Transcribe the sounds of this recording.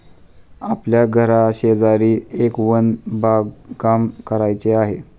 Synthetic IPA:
apljaɡʱəɾaɕed͡zaɾiːekʋənbaɡkamkəɾajt͡seaɦe

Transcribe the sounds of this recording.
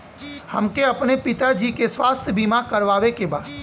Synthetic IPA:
hə̰mkeɐpnepɪt̪ad͡ʒikeswaːst̪ʰjəbʱimakəɾʋaːʋekebaːd̥̪

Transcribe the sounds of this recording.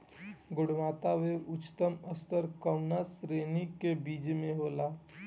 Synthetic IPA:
ɡʊɽmaːt̪aʋeʊt͡ʃt̪əməst̪əɾkəʊnasɾenikebiːd͡ʒmẽɦoːla

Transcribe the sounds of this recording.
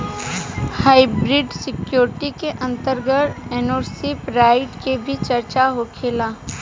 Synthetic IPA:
haːɪbɾɪɖsɪkjoːɾʈikeʔɐ̃nt̪əɾɡəʈeːnoːɾsipɾaːɪʈkebʱit͡ʃəɾt͡ʃaɦokʰeːlaː

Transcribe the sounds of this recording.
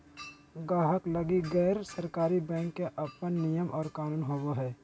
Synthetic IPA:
ɡaːɦəklɐɡiɡɛːɾsəɾkaːɾibɛ̃ːŋkːeʔɐpənːijəmʔɔːɾkaːnuːnɦoɡoɦɛː

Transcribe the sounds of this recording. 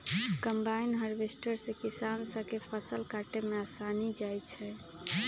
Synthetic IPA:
kəmbainɦəɾʋesʈəɾsẽkisansəkepʰəsəlkaʈemeasanid͡ʒajt͡ʃʰɛ

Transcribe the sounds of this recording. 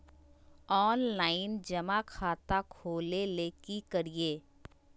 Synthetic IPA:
ɔːnlaːɪnd͡ʒɐmakʰaːt̪akʰoːleleːkikɐɾieː

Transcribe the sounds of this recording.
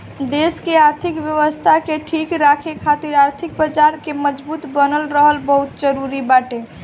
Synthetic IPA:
d̪eskeaɾt̪ʰikbjəʋəst̪ʰakeʈʰikɾakʰekʰat̪iɾaɾt̪ʰik̚bəd͡ʒaɾkeməd͡ʒbut̪bənəlɾəɦəlbəɦut̪d͡ʒəɾuɾibaʈe

